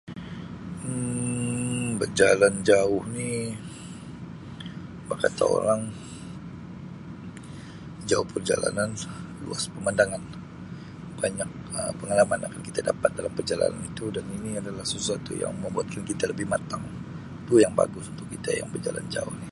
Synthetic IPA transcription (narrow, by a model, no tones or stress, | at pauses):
ə | bərd͡ʒaland͡ʒaʊhni | bakat̪a̰o̰ɾaŋ | d͡ʒaʊhpərd͡ʒa̰la̰nanlṵaspəmandaŋan | b̥aɲak̚əpəŋalamanakankit̪adapat̪̚dalampərd͡ʒala̰na̰nit̪udaniniadalahsəsuat̪ṵja̰ŋməmbuat̪̚kankit̪aləbɪhmat̪aŋ | t̪ujaŋba̰ɡʊsunt̪ʊkːit̪a̰ja̰ŋbərd͡ʒala̰nd͡ʒa̰ʊhni